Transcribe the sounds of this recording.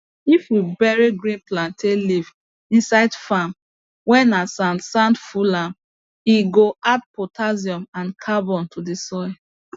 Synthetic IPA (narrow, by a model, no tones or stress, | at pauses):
ifwibɛɹiɡɹĩnplãnteliv | ĩnsaɪdfam | wɛ̃nasãntsãndfulãm | iɡoat̚pɔtʰaziɔ̃mãnkʰabɔ̃ntʰudisɔɛ